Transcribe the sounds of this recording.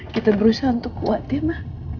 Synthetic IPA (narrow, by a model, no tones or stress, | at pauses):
kit̪abəɾusahunt̪ʊkːuat̪̚ɪmah